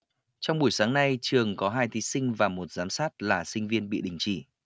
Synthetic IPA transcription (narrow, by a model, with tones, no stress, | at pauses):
t͡ɕɔ˧wŋ͡mɓu˧˩əjsaː˨˦ŋna˧jt͡ɕɨ˨˩əŋkɔ˨˦ɦaː˧jt̪ʰi˨˦sï˧ŋ̟vaː˨˩mo˨˩t̚zaː˨˦msaː˦˥t̚laː˨˩sï˧ŋ̟vi˧ənɓḭ˧˨ɗï˨˩ŋ̟t͡ɕḭ˧˩